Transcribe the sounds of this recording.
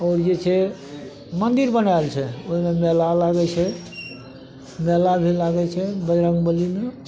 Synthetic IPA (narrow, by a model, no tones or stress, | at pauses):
ɔːɾd͡ʒet͡ʃʰɛ | mənd̪iɾbənajlt͡ʃʰɛoɦimemɛlalaɡɛt͡ʃʰɛ | mɛlabʱilaɡɛt͡ʃʰɛbəd͡ʒɾəŋɡbəlime